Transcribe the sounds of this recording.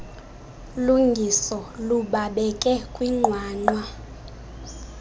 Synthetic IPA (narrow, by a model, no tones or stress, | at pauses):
luŋɡʱisɔluɓaɓɛkʼɛkʼwiŋ͡ǃʱwaːnwa